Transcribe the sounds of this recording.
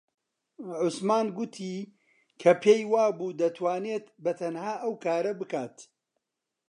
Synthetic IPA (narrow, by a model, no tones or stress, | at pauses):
ʕʊsmaːnɡʊt̪ʰiː | kʰɐpʰejwaːbuːd̪ɐt̪ʰwaːneːt̪bɐt̪ʰɐnhaːʔɐwkʰaːɾɐbɨkaːt̪